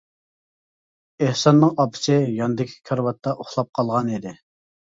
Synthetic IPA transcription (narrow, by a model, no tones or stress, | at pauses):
ehsɑnːɨŋɑpʰɪ̥sɪjɑnd̪ɪkʲʰi̥kʲʰɑɾwɑt̪ʰːɑʔoχlˠɑp̚qʰɑlˠʁɑnid̪ɪ